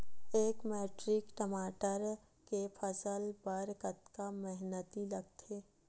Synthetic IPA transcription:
eːkmeːʈɾɪkʈəmaːʈəɾ | kefʰəsəlbəɾkət̪kamɛɦnət̪ilɐɡt̪ʰeː

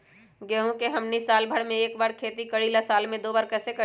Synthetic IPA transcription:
ɡeɦũkeɦɐmnisaːlbʱəɽmẽeːkbaːɾkʰeːt̪ikəɽilasaːlmẽd̪oːbaːɾkəsekə

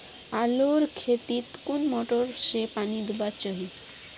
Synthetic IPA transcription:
aloɾkʰet̪it̪kunmɔʈoɾʃepanid̪ubat͡ɕɔɦi

